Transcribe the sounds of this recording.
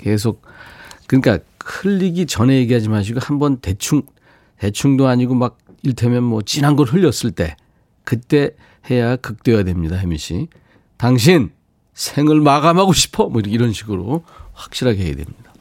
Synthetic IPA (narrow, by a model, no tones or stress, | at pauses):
ke̞s̬ʰok̚k͈ɯɲik͈ahʰɯʎːiɡit͡ɕʌnejeɡiɦad͡ʑimaɕ̬ʰiɡohambʌnte̞t͡ɕʰuŋ | te̞t͡ɕʰuŋdoaɲiɡomak̚ | iɭtʰemjʌnmwʌt͡ɕ͈inanɡʌɾɦɯʎːʌs͈ɯɭt͈e̞̰ | kɯt͈e̞ | he̞jakɯk̚t͈we̞jadwe̞mɲidahemiɕʰḭ | taŋɕ̬ʰin | sʰeŋɯɭmaɡamɦaɡoɕʰi̥pʰʌmʌiɾkiɾʌnɕʰiɡɯɾoɸwḁk̚ɕ͈iɾɦaɡeɦeja̰dwe̞̰mɲid̥a